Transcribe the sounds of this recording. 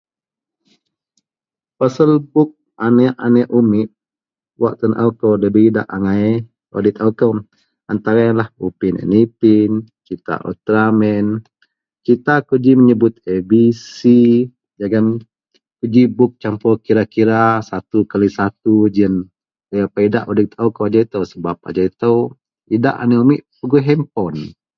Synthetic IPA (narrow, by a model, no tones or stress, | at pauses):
pasəlbʊk̚ | anɛʔanɛʔumɪt̪̚ | waʔt̪ənʔa̰wkəwdəbəida̰ʔaŋaɛ | odit̪akəw | ant̪aɾalahupinɛ̰nipint͡ʃit̪a̰ʔɔ̰t̪ɾamɛn | kit̪akud͡ʒiməɲəbʊt̪̚ebisi | d͡ʒaɡam | kud͡ʒibʊk̚t͡ʃampɔkiɾakiɾasat̪ukalisat̪ud͡ʒiən | ləjapaidaʔodɪt̪awkowad͡ʒait̪əwsəbap̚a̰d͡ʒait̪əw | ida̰ʔa̰niumiʔpəɡuɦɛmpɔn